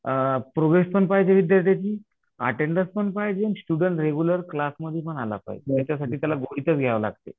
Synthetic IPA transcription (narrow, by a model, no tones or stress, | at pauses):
pɾoʋespəɳpajd͡zeʋid̪jaɾt̪jat͡ɕiː | a̰ʈeɳɖəspəɳpajd͡zensʈuɽəɳʈɾeɡuləɾklasməd̪ʱjepəɳala̰pa̰ḭt̪at͡ɕasaʈiːt̪jalaɡoɽit̪ət͡sɡʱjaʋəla̰ɡt̪ḛ